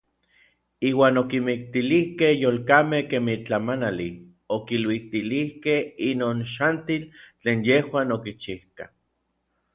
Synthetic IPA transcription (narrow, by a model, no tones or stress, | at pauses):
iːwaːnokimik̚t̪ilihkehjoːlkamehkemit͡ɬamanali | okilwit̪ilihkehinoːnʃant̪ilt͡ɬeːnjehwaːnokit͡ʃihka̰